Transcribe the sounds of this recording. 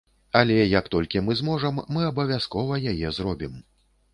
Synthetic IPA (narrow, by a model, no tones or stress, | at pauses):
alʲɛjɐkt̪ɔlʲkʲimɨzmɔʐɐmːɨɐbɐvʲaskɔvɐjajɛzɾɔbʲim